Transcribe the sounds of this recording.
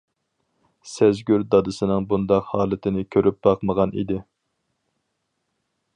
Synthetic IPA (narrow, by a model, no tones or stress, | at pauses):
sɛzɡʲyɾd̪ɑd̪ɨsɨnɨŋbund̪ɑqhɑːlˠɨt̪ʰɪnɪkʲʰøɾʔyp̚b̥ɑqməʁɑnḭd̪ɪ